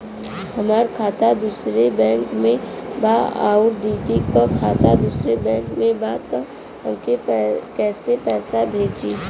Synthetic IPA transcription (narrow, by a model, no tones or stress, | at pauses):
hɐmaːɾkʰaːt̪ad̪uːsɾebɛ̃ːŋkmẽbaa̰ːʊɾd̪iːt̪ikakʰaːt̪ad̪uːsɾebɛ̃ːŋkmẽbaːt̪ | hɐmkekɛːsepɛːsabʱeːd͡ʒiː